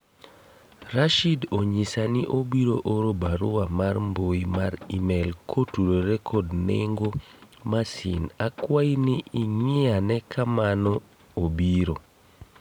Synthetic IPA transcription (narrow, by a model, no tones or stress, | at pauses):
raʃidoɲisaniʔobiɾoʔoɾobaɾʊwamarmboimaɾimɛlkʰotuɾoɾɛkʰɔdnḛŋɡo | masinakwainɪiɲɪanɛkʰamanɔ | obiɾo